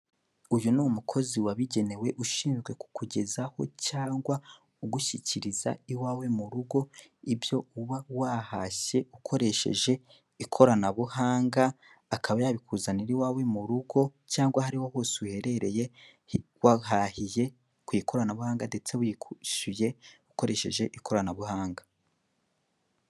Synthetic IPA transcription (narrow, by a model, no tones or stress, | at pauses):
ujunumukʰo̞ziwaβiɟe̞ne̞we̞ʔuʃiːmiɡwe̞ku̥kuɟe̞zaho̞̰caːŋɡwa | uɡuʃiciɾiza̰iwaːwe̞muɾuɡo̞ibjo̞uβawahaçe̞ukʰo̞ɾe̞ʃe̞̰ʒe̞ | ikʰo̞ɾanaβuhaːŋɡaː | kaβajaβikʰuzaniɾiwaːwe̞muɾuɡo̞caːŋɡwahaɾiwohoːsiuhe̞ɾe̞ɾe̞je̞ | waɦahije̞ | kuiko̞ɾanaβuhaːŋɡande̞t͡se̞wikuʃuje̞uko̞ɾe̞ʃe̞ʒe̞ʔikʰo̞ɾanaβuhaːŋɡa